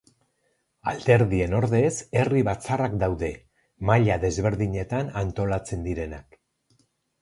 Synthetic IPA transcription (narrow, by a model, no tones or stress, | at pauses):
ald̪e̞ɾðie̞no̞ɾðe̞se̞riβat͡sarakd̪awðe̞ | maʎaðe̞zβe̞ɾðiɲe̞t̪anant̪o̞lat͡se̞nd̪iɾe̞nak